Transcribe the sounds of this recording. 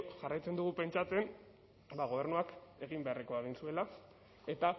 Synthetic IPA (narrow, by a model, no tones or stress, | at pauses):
ʝarajt͡se̞nd̪uɣ̞upe̞nt͡ʃat͡se̞n | baɣo̞β̞e̞ɾnuake̞ɣ̞imbe̞areko̞eɣ̞insue̞la | e̞t̪a